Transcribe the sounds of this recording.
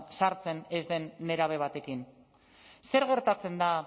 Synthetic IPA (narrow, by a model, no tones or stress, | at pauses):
saɾt͡se̞ne̞zd̪e̞nːe̞ɾaβ̞e̞β̞at̪e̞kin | se̞ɾɣe̞ɾt̪at͡se̞nd̪a